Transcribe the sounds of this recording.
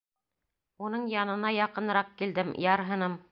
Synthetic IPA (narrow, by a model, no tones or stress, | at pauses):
unɤɴjɑnɤ̆nɑjɑqɤ̆nɾɑq̚kild̪ɘmjɑɾɦɤ̆nɤm